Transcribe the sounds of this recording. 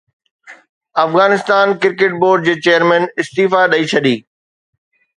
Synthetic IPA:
ɐfɣaːnɪst̪aːnkɪɾkeʈ̚boːɾɖ̚d͡ʑeːt͡ɕejəɾmɛ̃ːnɪst̪iːfaɗɐit͡ɕʰɐɗiː

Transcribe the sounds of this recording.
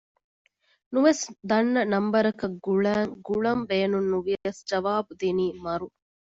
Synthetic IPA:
nuʋesd̪ɐnːɐnɐmbɐɾɐkɐɡuɭæːŋɡuɭɐmbeːnunːuʋijɐjɐsd͡ʒɐʋaːbud̪iniːmɐɾu

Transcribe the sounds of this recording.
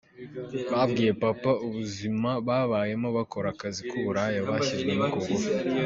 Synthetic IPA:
βabɡiːje̞papauβuzimaβaβaje̞moβako̞ɾakazikuβuɾajaβaʃizɡwenukoɡo

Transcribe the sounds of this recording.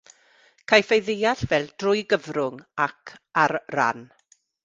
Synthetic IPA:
kʰajfejðɪjaɬvɛlˠd̥rʊjɡəvrʊŋakʰaɾra̰n

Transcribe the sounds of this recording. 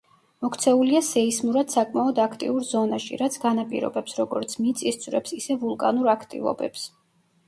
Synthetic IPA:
mɔkʰt̪sʰɛuliasɛismuɾad̪̥sakʼmaɔd̪akʰt̪ʼḭuɾzɔnaʃḭɾat̪sʰɡanapʼḭɾɔ̰bɛpsɾɔɡɔɾt̪sʰmit̪sʼist̪sʰʼvɾɛpsisɛvulˠkʼanuɾakʰt̪ʼḭvɔ̰bɛ̰ps

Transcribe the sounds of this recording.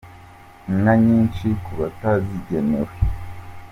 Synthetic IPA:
ŋaɲiːnt͡ʃikuβataziɟenḛwe

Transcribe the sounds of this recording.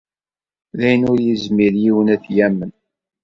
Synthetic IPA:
læjənʊɾjizmiɾjiwənæθjæmːən

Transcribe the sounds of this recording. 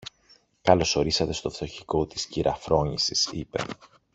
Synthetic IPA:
kɐlo̞so̞ɾisɐt̪e̞st̪o̞ft̪o̞çiko̞t̪i̥sciɾʔɐfɾo̞ɲisisipe̞̰

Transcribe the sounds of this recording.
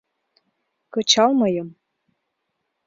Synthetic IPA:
kɤ̆t͡ɕɑlmɤjɤ̆m

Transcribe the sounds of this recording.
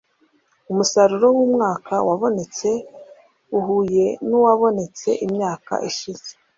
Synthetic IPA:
umusaɾuɾo̞wumŋaːkawaβo̞ne̞t͡se̞ | uɦuje̞nuwaβo̞ne̞t͡se̞̰ʔimɲaːka̰ʔiʃiz̥e̥

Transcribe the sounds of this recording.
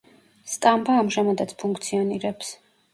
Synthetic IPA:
st̪ʼambaːmʒamad̪at̪sʰpʰuŋk̚ʰt̪sʰiɔniɾɛps

